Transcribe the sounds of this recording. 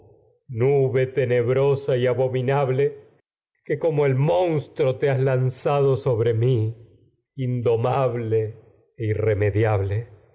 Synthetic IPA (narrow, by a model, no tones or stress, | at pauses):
nuβe̞t̪e̞ne̞βɾosaiaβominaβle̞ | keko̞moe̞lmõ̞nst̪ɾot̪eazlansaðo̞so̞βɾemi | ind̪o̞maβleː | ire̞me̞ðjaβle̞